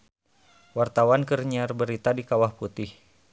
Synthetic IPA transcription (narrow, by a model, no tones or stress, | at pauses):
wart̪awankərɲarbəɾit̪adikawahput̪ɪh